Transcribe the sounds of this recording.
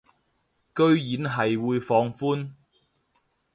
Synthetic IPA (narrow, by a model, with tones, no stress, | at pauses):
kɵ˥ɥjiː˨˥nɦɐ˨jwuː˨˧jfɔː˨˧ŋfuː˥n